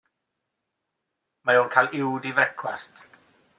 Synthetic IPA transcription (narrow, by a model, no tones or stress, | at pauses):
majoːnkʰalˠɪwdivɛkʰwast